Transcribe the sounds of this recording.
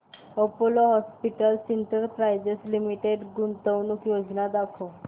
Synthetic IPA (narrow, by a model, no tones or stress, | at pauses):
opoloɦɔspiʈəlsint̪əɾpɾajd͡ʑeslimiʈeɖɡunt̪əʋnukjod͡znad̪akʰo